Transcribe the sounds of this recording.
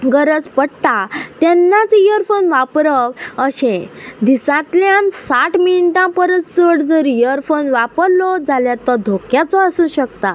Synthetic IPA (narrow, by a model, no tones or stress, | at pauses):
ɡəɾəd͡zpəɽt̪at̪jɛnːat͡sjəɾfonʋapɾəʋəɕẽd̪isãt̪ljamsaʈʰminiʈãpəɾət̪səɽd͡zəɾijəɾfonʋapəɾlɔd͡zaljat̪ɔd̪ʱokjat͡sɔəsə̃ɕəkt̪a